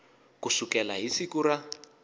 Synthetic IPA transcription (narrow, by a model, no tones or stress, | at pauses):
kusukɛlaɦisikuɾa